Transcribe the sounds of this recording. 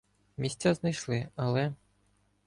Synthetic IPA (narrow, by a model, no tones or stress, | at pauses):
mʲisʲt͡sʲaznɐjʃlˠɪɐlˠɛ